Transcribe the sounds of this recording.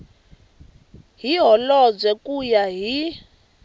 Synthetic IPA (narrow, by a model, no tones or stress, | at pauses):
ɦiɦɔlɔd͡zɛkʼujaɦi